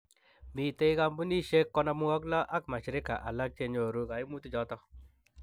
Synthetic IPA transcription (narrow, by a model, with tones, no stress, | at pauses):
mi˨te˦i˦ka˦mbu˦ni˦ʃe˦kːɔ˦na˧mu˦wɔ˦k̬la˦ʔa˦kma˨ʃi˨ɾɪ˦ka̰˨ʔa˨la˦k̚t͡ʃe˦ɲo˨ɾu˦ka˨i˦mu˦tu˦d͡ʒɔ˨˦tɔ˦